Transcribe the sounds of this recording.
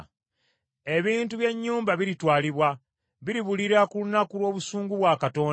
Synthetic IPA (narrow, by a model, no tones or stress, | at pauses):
e̞βiːntuβje̞ɲːuːmbaβiɾitwaːliβwa | βiɾiβuliɾakulunakulwo̞ːβusuːŋɡuβwaːkato̞ː